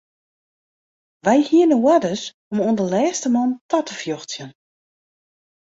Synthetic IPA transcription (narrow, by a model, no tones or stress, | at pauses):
ʋɛjhiənəwadəs | omoəndəlɛːstəmɔntatəfjoxt͡sjən